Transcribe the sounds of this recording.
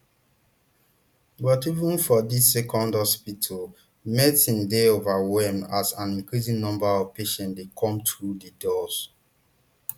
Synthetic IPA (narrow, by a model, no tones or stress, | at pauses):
bɔtivũnfɔdisːɛkʰɔ̃ndhɔspitʰal | mɛtĩndeovawɛmasãnĩnkɹisĩŋnɔ̃mbaɔv̥peʃɛ̃ndekʰɔ̃mtɹudədɔs